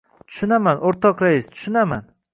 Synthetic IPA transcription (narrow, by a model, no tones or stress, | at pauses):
t̪ʰʊ̥ʃʊnamanʔoɾt̪ʰɒqɾaist̪ʰʊ̥ʃʊnaman